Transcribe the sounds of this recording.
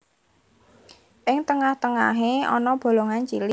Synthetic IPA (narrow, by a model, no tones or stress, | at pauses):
ʔɪŋt̪əŋaht̪əŋa̰ɦeɔ̰nɔb̥o̤loŋant͡ʃilɪ